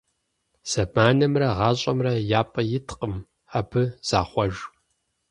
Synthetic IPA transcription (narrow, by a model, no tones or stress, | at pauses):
z̥ɐbaːnɐmrɐʁɑːɕʼɐmrɐjaːpʼɐjɪtʰqʼəm | ħabʰɨz̥a̰ːχʷɔʒ